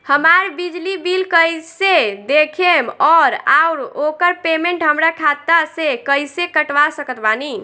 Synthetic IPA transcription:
həmaɾbid͡ʒlibilkəjsed̪ekʰemɔɾaʊɾokəɾpemeɳʈɦəmɾakʰat̪asekəjsekəʈʋasəkət̪bani

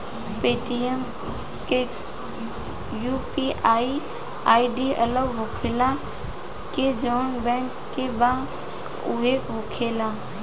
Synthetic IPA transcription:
peːʈiem | ke | juːpiʔaːi | aːiɖiːɐləʋɦʊkʰela | ked͡ʒɔːnbɛ̃ːŋkːebã | ʊ̰ɦekʋʊkʰeːlaː

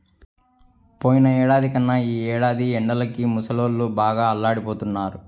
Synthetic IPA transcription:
poːjinɐɛːɽaːd̪ikɐnːɐiːɛːɽaːd̪iɛɳɖɐlɐkimusɐloːlːubaːɡaːɐlːaːɽipo̞ːt̪unːaːɾu

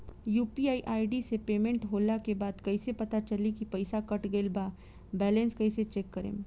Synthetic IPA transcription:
juːpiaːiʔaːiɖisepeːmẽɳʈɦoːlakebaːd̪kɐisepɐt̪at͡ʃɐlikipɐɪsakɐʈɡɐɪlbaː | bɛːlẽnskɐiset͡ʃeːkːɐɾḛ̃ː

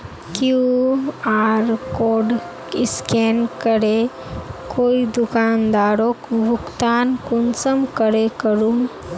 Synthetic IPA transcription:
kju | aɾkoɖ | iskenkəɽe | kʰoid̪ukand̪aɾokbʱukt̪ankunt͡səmkəɾekəɾuŋ

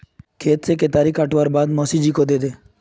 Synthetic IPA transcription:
kʰeːt̪seket̪aɾikaʈʋaɾbaːd̪mɔsid͡ʒikod̪ed̪e

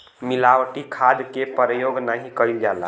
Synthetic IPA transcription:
milawʈikʰad̪kepəɾəjoɡnaɦikəild͡ʒala̰

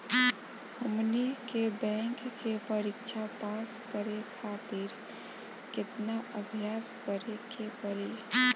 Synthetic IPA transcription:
həmnikebɛ̃ŋkkepəɾikt͡ʃʰapaskəɾekʰat̪iɾ | ket̪naʔəbʱjaskəɾekepəɾi

